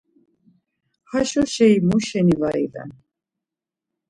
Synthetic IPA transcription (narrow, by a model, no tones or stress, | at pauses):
haʃɔʃɛimuʃɛnivaḭvɛ̰n